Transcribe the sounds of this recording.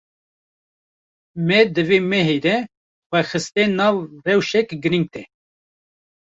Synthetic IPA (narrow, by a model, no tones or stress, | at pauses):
mɛd̪ɨveːmɛɦed̪ɛ | xʷɛxɨst̪enɑːvrɛwʃɛkɡɨɾiŋɡ̚t̪ɛ